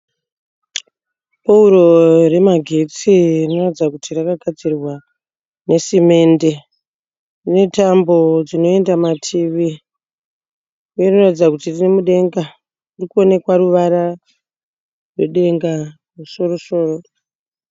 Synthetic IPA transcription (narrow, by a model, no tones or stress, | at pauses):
pauɾo̞re̞maɡʱe̞t͡sirrino̞ratid͡zakutirakaɡʱad͡zirwa | ne̞sime̞nde̞ | ne̞tambo̞d͡zino̞e̞ndamatʰiʋi | werinoratid͡zakutirine̞muɗe̞ŋɡa | rikuo̞ne̞kwaɾuʋaɾa | rwe̞̰ɗe̞ŋɡa | ruso̞ɾo̞so̞ːro